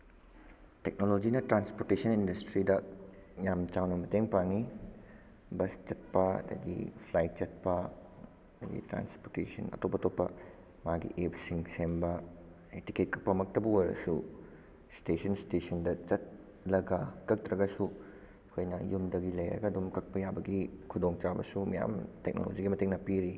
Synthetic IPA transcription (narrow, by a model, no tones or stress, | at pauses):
tek̚nolod͡ʒinɐtɾanspoɾtesɐnindɐstɾidɐjamt͡ʃawnɐmɐteŋpaŋi | bɐst͡ʃɐt̚pɐɐ̰dɐ̰ɡḭpʰlajt̚t͡ʃɐt̚pɐ | dɐɡḭtɾa̰nspoɾtesɐ̰nɐ̰topːɐtopːɐ | maɡḭʔepsiŋsembɐ | eti̥ket̚kɐk̚pɐmɐk̚tɐbuwɐɾɐ̰su | stesʰɐnstesʰɐndɐt͡ʃɐt̚ | lɐɡɐkɐk̚tɾɐɡɐsu | kʰojnɐjumdɐɡilɐjɾɐ̰ɡɐːdumkɐk̚pɐjabɐɡikʰudoŋt͡ʃabɐ̰sumɐja̰mtek̚no̰lo̰d͡ʒiɡimɐteŋnɐpiɾi